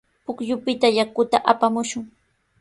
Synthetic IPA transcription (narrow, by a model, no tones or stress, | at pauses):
pʊkʎʊpɪt̪ajakʊt̪aʔapamʊʃʊŋ